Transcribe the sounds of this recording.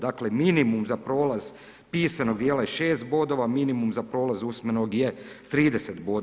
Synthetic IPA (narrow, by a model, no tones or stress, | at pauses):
d̪akleminimumzapɾo̞ːlaz | piːsanoɡ̚d̪jeːlajeʃe̞ːst̪̚bod̪oʋaminimumzapɾo̞ːlazusmenoɡjet̪ɾiːd̪eset̪boːd̪